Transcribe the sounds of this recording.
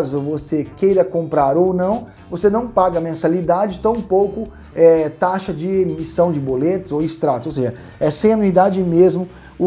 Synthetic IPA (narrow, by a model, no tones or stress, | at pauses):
zʊvosekejɾɐkõmpɾaɾownɐ̃w̃ | vosenɐ̃w̃paɡɐmẽsalid̪ad͡ʒɪt̪ɐ̃w̃powkʊ | ɛt̪aʃɐd͡ʒɪmisɐ̃w̃d͡ʒɪbolet̪ʊzowist̪ɾat̪ʊzsows̬eʒɐ | ɛsẽj̃anuid̪ad͡ʒɪmezmʊ | ʊ